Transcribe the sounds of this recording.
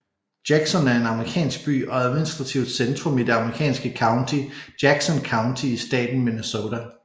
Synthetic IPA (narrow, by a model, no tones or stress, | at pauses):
d̥jæɡ̥sɒnæɐe̝nɑ̈məʁikʰɛ̰ːnsɡ̥̚b̥y̰ːɒ̽æðˠminisd̥ʁɑ̈t͡sʰiʊd̥send̥ʁɔmid̥e̝ɑ̈məʁikʰɛ̰ːnsɡ̥əkʰɑ̈ʊnt͡sʰid̥jæɡ̥sɒ̽nkʰɑ̈ʊnt͡sʰiːsd̥ɛ̰ːd̥n̩minəsot͡sʰæ